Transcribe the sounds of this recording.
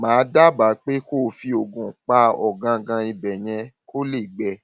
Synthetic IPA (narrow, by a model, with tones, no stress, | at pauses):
mãː˨˦da˦ba˨˦k͡pe˦ko˦˨˧fi˧o˨ɡũ˨k͡pa˧˦ɔ˨ɡã˧ɡã˧i˧bɛ˨j̃ɛ̃˧kʰo˦le˦˨ɡ͡bɛ˧˨